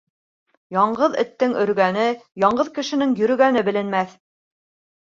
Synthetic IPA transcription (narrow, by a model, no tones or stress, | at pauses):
jɑɴɢɤðɘ̰̆t̪ːɘŋɵ̆ɾɡænɘjɑɴɢɤðkɘ̆ʃɘ̆nɘŋjɵ̆ɾɵ̆ɡænɘbɘ̆lɘ̆nmæθ